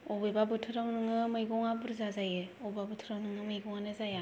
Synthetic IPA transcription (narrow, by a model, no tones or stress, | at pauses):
ɔbebabɯtʰɯɾawnɯŋɯmɯjɡɔŋabɯɾzazajeɔbabɯtʰɯɾawnɯŋɯmɯjɡɔŋanɯzaja